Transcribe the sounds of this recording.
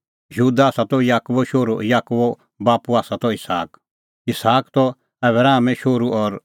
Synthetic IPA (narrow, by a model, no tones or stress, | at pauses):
jɦuːd̪aaːsat̪ɔjaːkubɔʃoːɾo̰jaːkubɔ | baːpuaːsat̪ɔɪsa̰ːk | ɪsaːkt̪ɔ | ɛbɾaːmɛ̃ʃoːɾuʔɔɾ